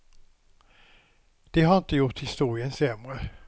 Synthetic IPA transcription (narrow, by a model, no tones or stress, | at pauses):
d̪̥ɛɦaɾɪnt̪əjʊʈ̪hɪst̪uːɾɪənsɛmɾə